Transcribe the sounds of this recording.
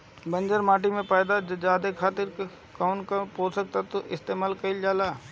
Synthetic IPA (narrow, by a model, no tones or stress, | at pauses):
bə̃nd͡ʒəɾmaːʈ̬imẽpaːd̪ad͡ʒd͡ʒaːd̪ekʰaːt̪ɪɾ | kaːʊnkapoːɾsək̚t̪at̪oʔɪst̪eːmaːlkɐɪld͡ʒaːlaː